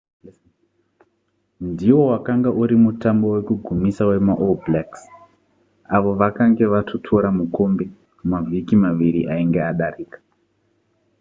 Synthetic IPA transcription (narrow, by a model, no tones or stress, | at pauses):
ndiwo̞wakaŋɡaʔuɾimutambo̞we̞kuɡʱumisawe̞maʔolblaks | aʋo̞ʋakaŋɡe̞ʋatʰotʰoɾamuko̞mbe | umavʱikimaʋiɾiʔaiŋɡeaɗariːkḁ